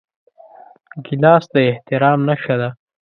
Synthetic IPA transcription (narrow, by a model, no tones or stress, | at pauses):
ɡɪlɑːsd̪əɪht̪ɪɾɑːmnaʃad̪a